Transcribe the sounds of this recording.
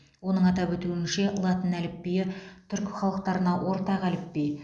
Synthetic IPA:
wo̞nəɴɑt̪ɑpwɵt̪uɪnʃe̞lˠɑt̪ənælɪpːejɪt̪ʰʏɾkχɑlˠəqt̪ɑɾənɑwʔo̞ɾt̪ɑqælɪpːej

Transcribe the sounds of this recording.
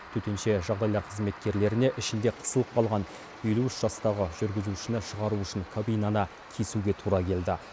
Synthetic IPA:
t̪ʰɵt̪enʃe̞ʒɑʁd̪ɑjlˠɑɾqʰəzme̞t̪kʲe̞ɾle̞ɾɪne̞ʔɪʃɪnd̪e̞qʰə̥suəp̚bɑlˠʁɑn | e̞luɪʃʒ̥ɑst̪ɑʁəʒʏɾɡʲɪzuʃɪnɪʃəʁɑɾuʏʃɪŋkʰobijnɑnɑ | kʲʰesuɡʲe̞t̪ʰuɾɑkʲʰe̞ld̪ɪ

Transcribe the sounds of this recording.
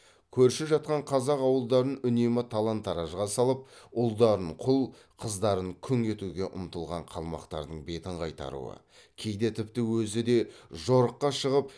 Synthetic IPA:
kʲʰɵɾʃɪpʒɑt̪̚qɑɴqʰɑzɑqɑwəlˠd̪ɑɾənʏnemɪt̪ʰɑlˠɑnt̪ːɑɾɑʒʁɑsɑlˠəp̚ʊlˠd̪ɑɾəɴqʰʊlˠ | qʰəzd̪ɑɾəŋkʲʰʏŋe̞t̪uɡʲe̞ʔʊmt̪əlˠʁɑɴqʰɑlˠmɑ̰qt̪ɑ̰ɾd̪əɴbe̞t̪ɪɴqʰɑjt̪ɑ̰ɾṵwə̰ | kʲʰe̞jd̪et̪ʰɪp̚t̪ɪwɵzɪd̪e̞ʒoɾəqːɑʃəʁəp

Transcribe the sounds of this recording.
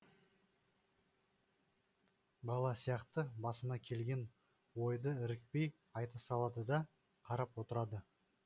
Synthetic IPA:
bɑlˠɑsijɑqt̪əbɑsənɑkʲʰe̞lɡʲe̞n | wo̞jd̪əɪɾɪk̚pe̞j | ɑjt̪ɑsɑlˠɑd̪əd̪ɑ | qʰɑɾɑpwo̞t̪əɾɑd̪ə

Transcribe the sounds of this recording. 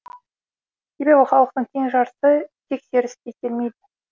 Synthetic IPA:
se̞be̞bɪχɑlˠəq̚t̪əɴt̪ʲʰe̞ŋʒɑɾsət̪ʰe̞kse̞ɾɪst̪et̪ʰʲe̞lme̞jd̪ɪ

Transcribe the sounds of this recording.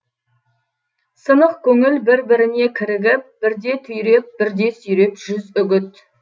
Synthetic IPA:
sənəq̚kʲʰɵŋɪlbɪɾbɪɾɪne̞kʲʰɪɾɪɡʲɪp̚b̥ɪɾd̪e̞t̪ʰʏjɾep̚bɪɾd̪e̞sʏjɾe̞pʒ̥ʏzʏɡʲɪt̪

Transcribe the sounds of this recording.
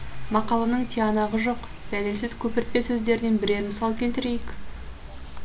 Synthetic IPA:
mɑqɑlˠɑnəɴt̪ʰiɑnɑʁəʒo̞q | d̪̥ælesɪz̥kʲʰɵpɪɾt̪̚pe̞sɵzd̪e̞ɾɪd̪e̞nbɪɾe̞ɾmɪsɑlˠkʲʰe̞lt̪ɪɾejɪk

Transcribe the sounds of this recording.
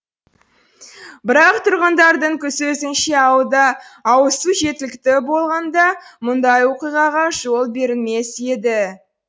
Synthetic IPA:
bɪɾɑq̚t̪ʰʊɾʁənd̪ɑɾd̪əɴkʲʰʏsɵsɪnʃe̞ɑwd̪ɑːwəsuʒe̞t̪ɪlɪkt̪ɪbo̞lˠʁɑnd̪ɑmʊnd̪ɑjwo̞qijʁɑʁɑʒo̞lˠbe̞ɾɪlme̞se̞d̪ɪ

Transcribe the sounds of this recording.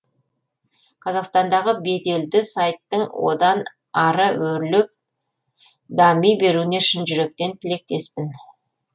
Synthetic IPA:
qʰɑzɑqst̪ɑnd̪ɑʁəbe̞d̪e̞ld̪ɪsajt̪ːəɴwo̞̰d̪ɑn | ɑɾəwɵɾlɪp̚ | d̪ɑmijbe̞ɾune̞ʃɪnʒʏɾe̞k̚t̪e̞nt̪ʰɪle̞k̚t̪e̞spɪn

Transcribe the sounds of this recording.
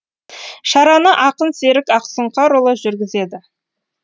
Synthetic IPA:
ʃɑɾɑnəʔɑqənse̞ɾɪkɑqsəɴqɑɾolˠəʒʏɾɡʲɪze̞d̪ɪ

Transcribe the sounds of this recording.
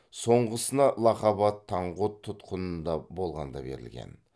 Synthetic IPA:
so̞ɴʁəsənɑlˠɑqɑbɑt̪ʰːɑɴʁot̪ʰːʊt̪qənənd̪ɑbo̞lˠʁɑnd̪ɑ̰be̞̰ɾɪ̰lɡʲḛn

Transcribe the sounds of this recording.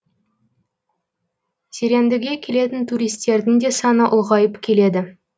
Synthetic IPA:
seɾe̞nd̪ɪɡʲe̞kʲʰe̞le̞t̪ɪnt̪ʰuɾijst̪e̞ɾd̪ɪŋd̪e̞sɑnəʔʊlˠʁɑjəpkʲʰe̞le̞d̪ɪ

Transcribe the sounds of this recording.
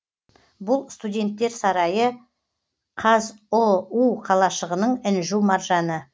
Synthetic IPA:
bʊlˠst̪udʲe̞nt̪ːe̞ɾsɑɾɑjə | qʰɑzouqʰɑlˠɑʃəʁənəɴɪnʒumɑɾʒɑnə

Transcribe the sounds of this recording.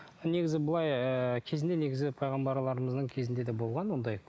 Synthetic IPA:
ne̞ɡʲɪzɪbəlˠɑjəkʲʰe̞zɪnd̪e̞ne̞ɡʲɪzɪpʰɑjʁɑmbɑɾlˠɑɾəməzd̪əɴkʲʰe̞zɪnd̪e̞d̪e̞bo̞lˠʁɑnwo̞nd̪ɑj

